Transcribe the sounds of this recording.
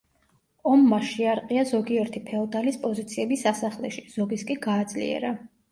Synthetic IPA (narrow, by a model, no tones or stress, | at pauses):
ɔmːaʃiaɾqʼiazɔɡiɛɾt̪ʰipʰɛɔd̪alispʼɔzit̪sʰiɛbisasaχlɛʃiz̥ɔɡiskʼiɡaːd̪zlḭɛ̰ɾa